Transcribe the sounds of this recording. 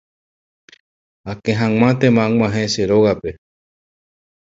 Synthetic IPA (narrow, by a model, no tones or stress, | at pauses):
akẽɦãŋʷãt̪ẽmãŋãɦeseɾoɣape